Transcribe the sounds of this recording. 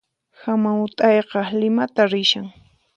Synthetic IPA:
hamaʊt̪ʼɑjqɑlɪmat̪aɾɪʃaŋ

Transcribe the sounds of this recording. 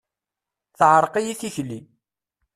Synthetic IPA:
θʕəɾˤqijiθiçli

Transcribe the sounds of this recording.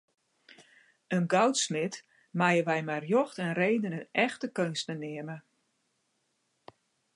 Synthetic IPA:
ənɡɔwtsmɪt | majəʋɛjmarjoxtɛnreːdənənɛxtəkønstənɪəmə

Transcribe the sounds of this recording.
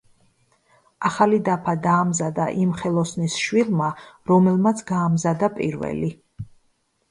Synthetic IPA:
aχalid̪apʰad̪aːmzad̪aʔimχɛlˠɔsnisʃwilˠmaɾɔmɛlˠmat̪sʰɡaːmzad̪apʼḭɾvɛ̰li

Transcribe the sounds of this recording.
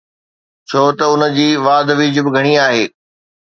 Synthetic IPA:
t͡ɕʰoːt̪ɐʊnə̆d͡ʑiːʋaːd̪ʱʋiːd͡ʑʊbɪɡʱɐɽ̃iaːɦeː

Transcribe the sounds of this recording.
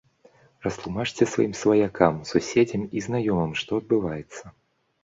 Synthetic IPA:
rɐst̪lˠumat͡ʂt͡sʲɛsva̰jimsvɐjakʰamsusʲed͡zʲɐmiznajɔmɐmʂt̪ɔɐd̪̚bɨvajɛt̪sːɐ

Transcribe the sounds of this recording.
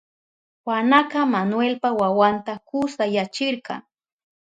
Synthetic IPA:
wanaqɑmanwelpawawant̪akʊsajat͡ʃɪɾqɑ̰ŋ

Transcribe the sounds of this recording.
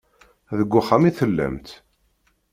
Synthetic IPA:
ðəɡʷːʊχamiθəlːæ̰mt̪

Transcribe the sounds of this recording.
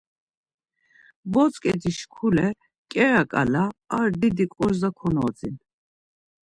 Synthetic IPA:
bɔt͡sʼkʼɛd̪iʃkʰulɛ | kʼɛɾakʼa̰laːɾd̪id̪ikʼɔɾzakʰɔnɔd͡zin

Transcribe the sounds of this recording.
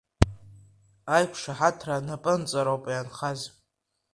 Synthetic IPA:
ajkʷʰʂaħatʰranapʼɨnt͡sʼaɾowpʼajanχazʼ

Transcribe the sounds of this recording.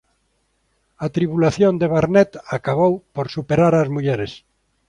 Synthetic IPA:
at̪ɾiβulaθjond̪eβaɾnɛt̪akaβowpoɾsupeɾaɾazmuʎɛɾes

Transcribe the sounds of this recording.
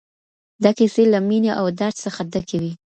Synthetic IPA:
d̪akiselamineʔawd̪aɾsəxad̪akawi

